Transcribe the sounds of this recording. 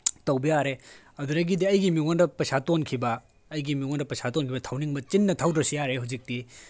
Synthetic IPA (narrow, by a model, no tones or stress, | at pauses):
tɐwbɐjaɾe | ɐduɾɐɡidiɐjɡimiŋondɐpɐsatonkʰibɐː | jɡimiŋondɐpɐsʰatonkʰibɐtʰawniŋbɐt͡ʃinːɐtʰawdɐsijaɾeɦawd͡ʒik̚ti